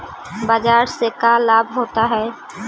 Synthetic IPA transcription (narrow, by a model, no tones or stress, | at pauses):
bad͡ʒaːɾsekalaːbʱɦoːt̪aɦɛː